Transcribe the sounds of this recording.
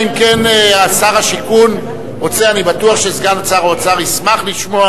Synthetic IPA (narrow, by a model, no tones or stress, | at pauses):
imkeneasaʁaʃikun | ʁot͡seanibatuaχʃezɡanat͡saʁoot͡saʁismaχliʃmoa